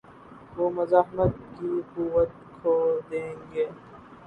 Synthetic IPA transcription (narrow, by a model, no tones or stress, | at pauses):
ʋoːmɐzaːɦmət̪̚kiquːʋət̪̚kʰod̪ẽːŋɡeː